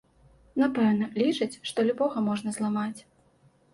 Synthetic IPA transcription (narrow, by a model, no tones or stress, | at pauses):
napɛwnɐlʲit͡ʂɐt͡sʲʂt̪ɔlʲubɔɣɐmɔʐn̪ɐzlˠamat͡sʲ